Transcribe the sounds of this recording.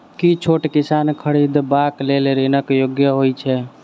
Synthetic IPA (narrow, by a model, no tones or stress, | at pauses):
kit͡ʃʰoʈkisankʰəɽid̪bakleleɾenəkjoɡjəɦojt͡ʃʰɛ